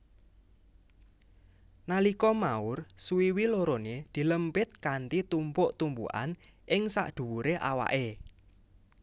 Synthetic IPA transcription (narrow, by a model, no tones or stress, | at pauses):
nalikɔmaʊrsuwiwiloɾoned̪̥i̤ləmpɪt̪̚kant̪it̪umpʊʔt̪umbṵʔa̰n | ɪŋsa̰ʔd̪̥ṳwuɾeʔa̰wa̰ʔe